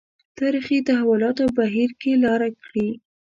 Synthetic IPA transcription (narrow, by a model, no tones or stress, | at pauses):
t̪ɑɾixit̪aɦawʊlɑt̪obaɦiɾkelɑɾakɽi